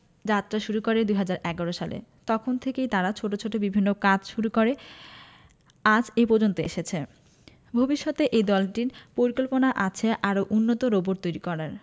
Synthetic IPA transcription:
d͡ʑat̪ːɾaʃuɾukoɾed̪ujɦad͡ʑaɾʔɛɡaɾoʃalḛt̪ɔkʰont̪ʰekejt̪aɾat͡ɕʰoʈot͡ɕʰoʈobibʱinːokad͡ʑʃuɾukoɾe | ad͡ʑepoɾd͡ʑont̪oḛʃet͡ɕʰe | bʱobiʃːot̪eʔed̪ɔlʈiɾpoɾikolponaʔat͡ɕʰeʔaɾoʔunːot̪oɾoboɾt̪ojɾikɔɾaɾ

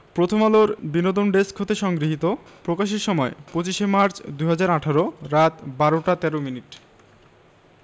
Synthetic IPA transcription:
pɾot̪ʰomaloɾbinod̪onɖeskʰot̪eʃɔŋɡɾiɦit̪opɾokaʃeɾʃɔmɔepɾot͡ɕiʃemaɾt͡ɕd̪ujɦad͡ʑaɾaʈʰaɾoɾat̪baɾoʈat̪ɛɾominiʈ

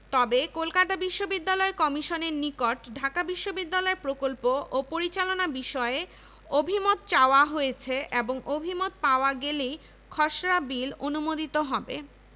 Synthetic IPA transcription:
t̪ɔbekolkat̪abiʃːobid̪ːalɔekɔmiʃoneɾnikoʈɖʱakabiʃːobid̪ːalɔeɾpɾokolpoʔopoɾit͡ɕalonabiʃɔee | obʱimot̪̚t͡ɕaoaɦojet͡ɕʰeʔeboŋobʱimot̪̚paoaɡelej | kʰɔʃɾabilonumod̪it̪oɦɔbḛ

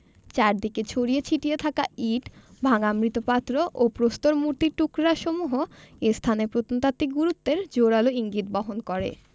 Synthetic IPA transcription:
t͡ɕaɾd̪iket͡ɕʰoɾiet͡ɕʰiʈijet̪ʰakaiʈbʱaŋamɾit̪opat̪ːɾoʔopɾost̪oɾmuɾt̪iʈukɾaʃomuɦoest̪ʰanepɾot̪ont̪at̪ːiɡuɾut̪ːeɾd͡ʑoɽaloiŋɡit̪bɔɦonkoɾḛ

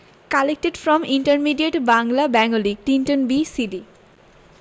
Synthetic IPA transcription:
kalek̚ʈeɖfɾɔmiɳʈəɾmiɖieʈbaŋlabɛŋolik̚ʈinʈonbisiɖi

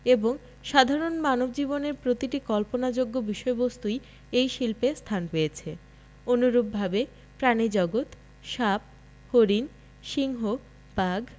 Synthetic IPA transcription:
eboŋ | ʃad̪ʱaɾonmanobd͡ʑiboneɾpɾot̪iʈikɔlponad͡ʑoɡːobiʃɔebost̪uj | ejʃilpest̪ʰanpeet͡ɕʰe | onuɾub̚bʱabe | pɾanid͡ʑɔɡot̪ | ʃap̚ | hoɾin | ʃiŋɦo | baɡ

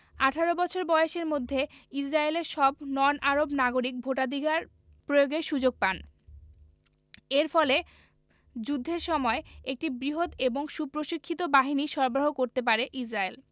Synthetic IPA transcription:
aʈʰaɾobɔt͡ɕʰoɾbɔeeʃeɾmod̪ʱːeid͡ʑɾaeleɾʃɔbnɔnʔaɾobnaɡoɾik̚bʱoʈad̪ʱiɡaɾ | pɾojoɡeʃud͡ʑoɡ̚pan | eɾfɔle | d͡ʑud̪ʱːeɾʃɔmɔeek̚ʈibɾiɦod̪eboŋʃupɾoʃikʰːit̪obaɦiniʃɔɾbɾaɦokoɾt̪ep̬aɾeʔid͡ʑɾael

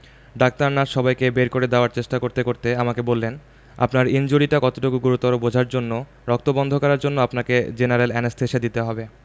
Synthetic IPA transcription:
ɖak̚t̪aɾnaʃɔbajkebeɾkoɾed̪ɛoaɾt͡ɕeʃʈakoɾt̪ekoɾt̪eamakebolːen | a̰pnaɾind͡ʑuɾiʈakɔt̪oʈokuɡuɾut̪ɔɾobod͡ʑʱaɾd͡ʑonːo | ɾɔk̚t̪obɔnd̪ʱokaɾaɾd͡ʑonːoapnaked͡ʑenaɾelɛnest̪ʰeʃed̪it̪eɦɔbe

